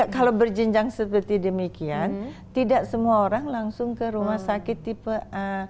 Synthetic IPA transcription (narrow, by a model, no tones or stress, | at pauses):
akalabərd͡ʒəɲd͡ʒaŋsəpərt̪idəmikiant̪idaʔsəmuaoɾaŋlaŋsʊŋkəɾumahsakɪt̪ːipəʔə